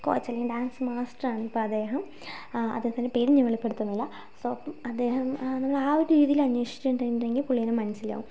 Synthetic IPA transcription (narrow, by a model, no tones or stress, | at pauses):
ko̰ːjt͡ɕːɐlːeɐɖaːnsmaːsʈraːɳɨipːoːɐd̪e̞ːɦɐm | ɐ̰d̪ːeːɦɐnt̪ɐnːepeɾiɲːɐʋeɭɐpːe̞ɽut̪ːɐnːilːɐ | sopːɐmɐd̪ːe̞ːhɐmnɐmːɐɭaːoɾuɾiːðijilɐɲːweːʂi̥t͡ɕʲːuuɳɖeeŋɡilpuɭːijɐnɐmɐnɐsila̰ːʋum